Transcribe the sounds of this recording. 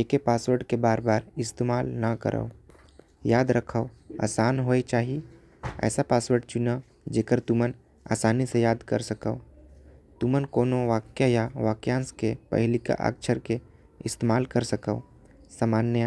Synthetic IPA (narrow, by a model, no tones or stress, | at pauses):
eːkepaːswəɾɖkebaːɾbaːɾɪst̪eːmaːlnɐkə̰ɾʔə̰o | jaːd̪ɾəkʰəoa̰ːsaːnɦoːet͡ʃaːɦi | ɛ̰ːsapaːswəɾɖt͡ʃʊna | d͡ʒeːkəɾt̪ʊmən | a̰ːsaːnisejaːd̪kəɾsəkəʊ | t̪ʊmənkoːnoʋaːkjajaʋaːkjãːnskepə̰ɦɪlika̰ʔa̰ːkt͡ʃʰəɾke | ɪst̪eːmaːlkəɾsəkəʊ | samaːnja